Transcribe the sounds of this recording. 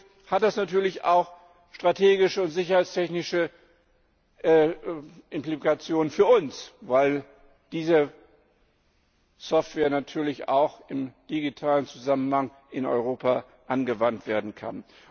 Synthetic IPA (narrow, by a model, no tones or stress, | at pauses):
hat̚d̥asnatʰyːɐlɪça̰ʊx | ʃtʁ̥atʰeːɡɪʃəʊntz̥ɪçɐhaɪt͡stʰɛçnɪʃə | ʔːʔɪmplikat͡sjoːnənfyːɐʊnsvaɪl | d̥iːzə | sɔftv̥ɛːɐnatʰyːɐlɪça̰ʊxɪmd̥iɡitʰaːlənt͡suzamənhaŋ | ʔɪnɔ̰ʏʁ̞oːpa | ʔanɡəvantv̥eːɐdn̩kʰa̰n